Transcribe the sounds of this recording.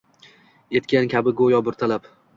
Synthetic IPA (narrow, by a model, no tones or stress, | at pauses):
e̞t̪kʲankʲʰabɪɡojɒbʊɾt̪ʰalap